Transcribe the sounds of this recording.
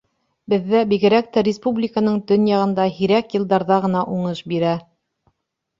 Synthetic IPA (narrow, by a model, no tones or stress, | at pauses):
bɘ̆ðːæbiɡɘ̆ɾæk̚t̪æɾʲɪspublʲɪkənɤɴt̪ɵnjɑʁɤ̆nd̪ɑhiɾækjɤ̆lˠd̪ɑɾðɑʁɤ̆nɑʔuɴɤʃbiɾæ